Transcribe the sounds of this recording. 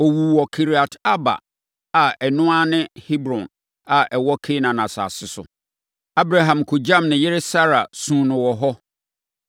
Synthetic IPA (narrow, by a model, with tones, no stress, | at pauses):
ɔ˨wuː˨wɔ˨kʰi˨ɾi˨a˨ta˦ba̰˨ | a˨ɛ˨nʊ̃˦a˦nɪ̃˦hi˦bɾɔ̃˨n | a˨ʔɛ˨wɔ˦kʰɪ˦nã˨nã˨sa̰ː˨sɪ˦sʊ̰˨ | a˦bɾa˨ɦã˨mkʰo˨d͡ʑã˦˨mnɪ̃˨jɪ˦ɾɪ˦sa˦ɾa˨sũː˦nʊ̃˨wɔ˨ɦɔ˦